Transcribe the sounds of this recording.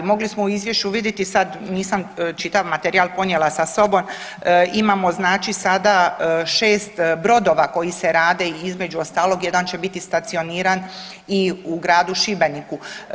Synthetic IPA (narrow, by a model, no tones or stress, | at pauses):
mo̞ɡlismouizʋje̞ʃt͡ʃuʋid̪jet̪isad̪niːsamt͡ʃit̪aʋmat̪eɾialpo̞nje̞lasaso̞bom | imamo̞znaːt͡ʃisad̪aʃe̞ːst̪bɾo̞d̪o̞ːʋako̞jise̞ɾaːd̪e̞izme̞d͡ʑuost̪aːlo̞ɡje̞d̪ant͡ɕe̞bit̪ist̪at̪sio̞niːɾan | iuɡɾaːd̪uʃibeniku